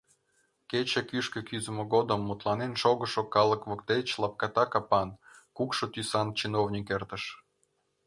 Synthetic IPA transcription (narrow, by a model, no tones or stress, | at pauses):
ket͡ɕəkyʃkĕkyzəmŏɣod̪əmːut̪lˠɑnenʃoɣəʃokɑlə̆kβokt̪et͡ɕlɑp̚kɑt̪ɑkɑpɑnkukʃŏt̪ysɑnt͡ɕinovnʲikert̪ə̆ʃ